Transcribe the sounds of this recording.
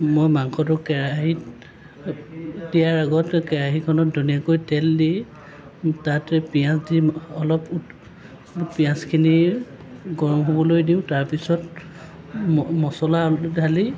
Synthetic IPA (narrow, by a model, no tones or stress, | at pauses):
mɔjmaŋkʰɔt̬ʊkɛɹaɦi | dijaɹaɡɔtkɛɹaɦikʰɔnɔt̚dunijakojtɛldi | tatɛpijãsdiɔlɔpu | pijãskʰini | ɡɔɹɔmɦobɔlojdiʊ̃taɹpisɔt | mɔsɔladʱali